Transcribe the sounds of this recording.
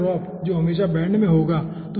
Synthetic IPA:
ɾɔːp | d͡ʒoːɦɐmeːʃabɛ̃ːɳɖmẽɦoːɡaː | t̪o

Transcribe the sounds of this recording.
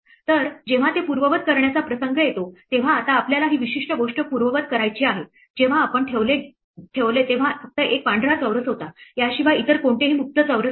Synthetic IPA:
t̪əɾd͡ʑeʋ̤at̪epuɾʋəʋət̪̚kəɾɳjat͡sapɾəsəŋɡəjet̪ot̪eʋ̤aːt̪aːpljalaɦiːʋiɕiʂʈəɡoʂʈəpuɾʋəʋət̪̚kəɾajt͡ɕiːaɦe | d͡ʑeʋ̤aːpəɳʈʰeʋle | ʈʰeʋlet̪eʋ̤afək̚t̪əʔekʋaɳɖʱɾat͡səʋɾət͡sɦot̪aɦjaɕiʋait̪əɾkoɳʈeɦiːmuk̚t̪ət͡səʋɾə

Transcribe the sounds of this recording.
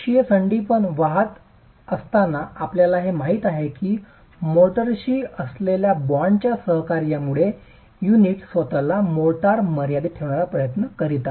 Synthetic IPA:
ɕiesəɳɖipəɳʋaɦət̪ | əst̪anaapljalaɦemaɦiːt̪aɦekiː | moʈəɾɕiːəsleljabaɳt͡ɕjasəɦkaɾjamuɭe | juniʈsʋət̪alamoʈaɾməɾjad̪it̪ʰːeʋɳaɾapɾəjət̪nəkəɾit̪a

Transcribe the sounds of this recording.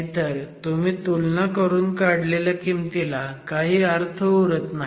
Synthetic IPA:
t̪əɾt̪um̤iːt̪ulnakəɾuːnkaɽlelakimt̪ilakaɦiːəɾt̪ʰəuɾət̪na

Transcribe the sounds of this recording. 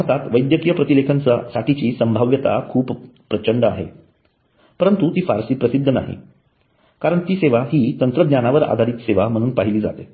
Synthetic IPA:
t̪at̪ʋəjd̪jəkijəpɾət̪ilekʰənt͡sasaʈʰit͡ɕiːsəmbʱaʋjət̪a̰kʰuːppːɾət͡ɕəɳɖəa̰ɦḛ | pəɾənt̪ut̪iːfaɾsiːpɾəsid̪ʱːəna̰ɦḭ | kaɾəɳt̪iːseʋaɦiːt̪ənt̪ɾəd̪nɲjanaʋəɾa̰d̪ʱaɾiːt̪seʋam̤əɽ̃uːnpaɦiliːd͡za̰t̪e

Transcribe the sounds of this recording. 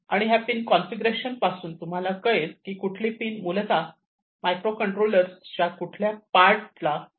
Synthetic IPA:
a̰ɽ̃iɦjapiːnkɔ̃nfiɡɾeɕənpasuːnt̪um̤alakəjet̪kiːkuʈʰlipiːnmulet͡sa | majkɾokəɳʈɾoləɾst͡ɕjakuʈʰljapaɾʈla

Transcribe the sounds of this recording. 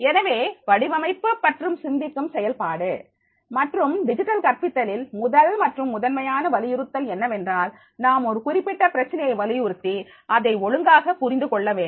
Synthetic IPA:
ɛnɐʋeːʋɐɽɪʋɐmɐɪpːɯpːɐʈrɯmsɪnd̪ɪkːɯmsɛjɐlpaːɽɯ | mɐʈrɯmɖɪd͡ʒɪʈːɐlkɐɾpɪt̪ːɐlɪlmʊðɐlmɐʈrɯmːʊðɐnmɐjaːnɐʋɐlɪjɪɾɯt̪ːɐlɛnːɐʋɛndraːl | naːmɔɾɯkʊrɪpːɪʈːɐpɪɾɐt͡ʃːɐnɐjɐɪʋɐlɪjʊɾɯt̪ːi | ʔɐðɐɪɔɻɯŋɡaːɣɐpʊɾɪnd̪ɯkɔɭːɐʋeːn

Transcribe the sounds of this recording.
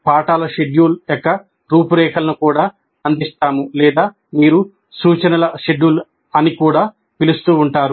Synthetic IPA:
paːʈaːlɐʃe̞ɖjuːlɐkːɐ | ɾuːpuɾɛːkʰɐlɐnukuːɽaː | ɐnd̪ist̪aːmulɛːd̪aː | miːɾu | suːt͡ʃɐnɐlɐʃeɖjuːl | ɐnikuːɽaː | pilust̪uːɳʈaːɾu

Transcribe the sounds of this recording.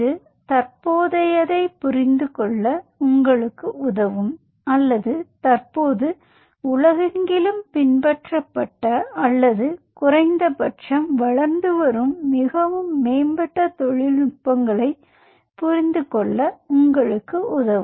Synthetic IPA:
ɯ | t̪ɐɾpoːðɐjɐðɐɪpʊɾɪnd̪ɯkɔɭːɐʊŋɡɐɭɯkːɯʊðɐʋɯm | ɐlːɐðɯt̪ɐrpoːðɯ | ʊlɐɣɐŋɡɪlɯmpɪnbɛʈrɐpːɐʈːɐːlːɐðɯkʊrɐɪnd̪ɐpɐʈʂɐmʋɐɭɐɾnd̪ɯʋɐɾɯmːɪɣɐʋɯmːeːmbɛʈːɐt̪ɔɻɪlnʊkpːɐŋɡɐɭɐɪ | pʊɾɪnd̪ɯkɔɭːɐʊŋɡɐɭɯkːɯʔʊðɐʋ

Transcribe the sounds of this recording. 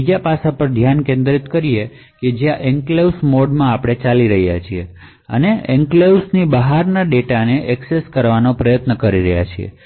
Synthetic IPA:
id͡ʒapasapəɾd̪ʱjankẽnd̪ɾit̪kəɾie | ked͡ʒjãʔɛŋkleusmoɖmãːpɽ̃et͡ʃaliɾəɦijat͡ʃʰie | ə̰neɛŋklewsnibəɦaɾnaɖeʈaneʔɛkseskəɾʋanopɾəjət̪nəkəɾiɾəɦja̰t͡ʃʰiḛ

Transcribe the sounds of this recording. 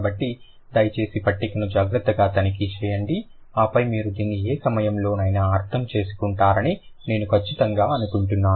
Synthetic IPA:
bɐʈːi | d̪ɐjt͡ʃe̞ːsipɐʈːikɐnud͡ʒaːɡɾɐt̪ːɐɡaːt̪ɐnikit͡ʃɛːjɐɳɖi | aːpɐjmiːɾud̪iːnːieːsɐmɐjɐmlo̞ːnɐːjnɐːɾt̪ʰɐmt͡ʃe̞ːsu̥kuɳʈaːɾɐnine̞ːnukʰɐt͡ʃːit̪ɐŋɡaːɐnukuɳʈunːaː

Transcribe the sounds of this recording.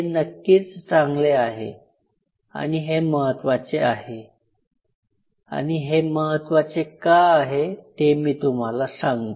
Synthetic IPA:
enəkːiːt͡st͡saŋɡleaɦḛ | a̰ɽ̃iɦeməɦət̪ʋat͡seaɦe | a̰ɽ̃iɦeməɦət̪ʋat͡sekaaɦet̪emiːt̪um̤alasãŋɡ

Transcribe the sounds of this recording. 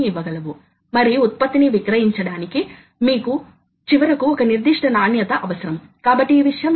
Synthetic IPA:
iʋːɐɡɐlɐʋu | mɐɾiut̪̚pɐt̪ːiniʋikɾɐɦiɲt͡ʃɐɽaːniki | miːku | t͡ʃiʋɐɾɐkuɔkɐniɾd̪iʂʈɐnaːnjɐt̪ɐʔɐʋɐsɐɾɐmkaːbɐʈːiːʋiʂɐjɐm

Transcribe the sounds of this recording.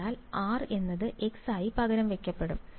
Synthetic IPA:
aːlaːre̞nːɐðɨʔe̞ksaːjipɐɣɐɾɐmʋekʲːɐpːe̞ɽum

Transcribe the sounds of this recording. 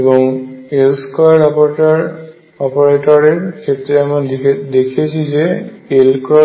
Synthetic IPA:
ebɔŋelskɔɹapɔɹtaɹ | ɔpɔɹetɔɹeɹkʰetːɹɛamad̪ekʰiesʰizeelkɹɔ

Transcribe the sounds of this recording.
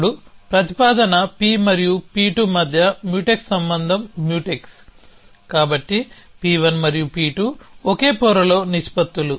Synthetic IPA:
ɽupɾɐt̪ipaːd̪ɐnɐpiːmɐɾijupiːʈumɐd̪ʱjɐmjuːʈekssɐmbɐnd̪ʱɐmːjuːʈeks | kaːbɐʈːi | piːʋɐnmɐɾijupiːʈuoke̞ːpɔːɾɐlo̞ːniʃpɐt̪ːulu

